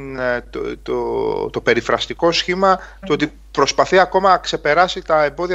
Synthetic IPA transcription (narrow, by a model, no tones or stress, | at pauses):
nt̪t̪ot̪o̞pe̞ɾifɾɐst̪iko̞sçimɐt̪uo̞t̪i | pɾo̞spɐθiɐko̞mɐnɐkse̞pe̞ɾɐsit̪ɐe̞mbo̞ðiɐ